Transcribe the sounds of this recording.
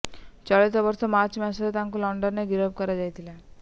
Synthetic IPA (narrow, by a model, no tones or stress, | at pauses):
t͡ʃɔɭit̪ɔbɔɾsɔmat͡ʃmasɔɾet̪ãŋkulɔɳɖɔnnːeɡiɾɔb̚kɔɾad͡ʒajt̪ʰila